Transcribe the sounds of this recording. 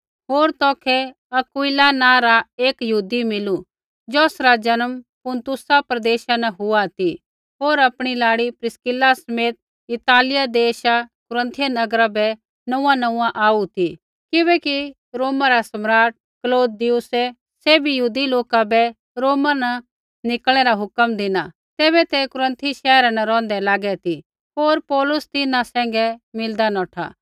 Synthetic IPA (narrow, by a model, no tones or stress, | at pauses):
ɦoːɾt̪ɔːkʰɛ | ɐkʊilanãɾaeːkjəɦuːd̪imɪlu | d͡ʒɔːsɾad͡ʒɐnəmpʊnt̪ʊsapɾɐd̪eːʃanɐɦʊat̪i | ɦoːɾɐpɽ̃ilaːɽipɾɪskɪlasɐmeːt̪̚ | ɪt̪aːlɪjad̪eːʃakʊɾə̃nt̪ʰɪjanɐɡɾabɛ | nɐ̃ãnɐ̃ːãʔaːut̪i | kɪbɛki | ɾoːmaɾasɐmɾaːʈ̚ | kloːd̪ijʊse | seːbijuːd̪iloːkabɛ | ɾoːmana | nɪkl̃ɛɾaɦʊkəmd̪ɪna | t̪eːβɛt̪ɛkʊɾə̃nt̪ʰiʃɛːɾanɐɾɔ̃ːn̆d̪ɛlaːɡɛt̪i | ɦoːɾpɔːlʊst̪ɪnãsɛ̃ːŋɡɛmɪld̪anɔ̃ːʈʰa̰ː